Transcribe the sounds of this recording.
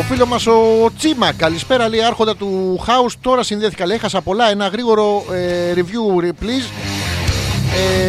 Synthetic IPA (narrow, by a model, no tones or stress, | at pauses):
ofilo̞zmɐso̞t͡simɐkɐlispe̞ɾɐliɐɾxo̞nd̪ɐt̪uxɐust̪o̞ɾɐsinðeθi̥kɐlexɐsɐpo̞lɐe̞nɐɣɾiɣo̞ɾo̞eɾivʝuɾipliz | e